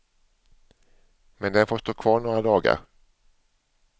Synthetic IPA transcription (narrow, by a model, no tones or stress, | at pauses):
mɛnd̪ɛnfoːʂt̪oːkʰvɑːɳoːɾad̪ɑːɡa̰ɾ